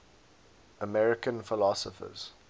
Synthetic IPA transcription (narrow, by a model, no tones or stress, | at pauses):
ʔəmɛɹɪkə̃nfɪlɔsəfə̰z̥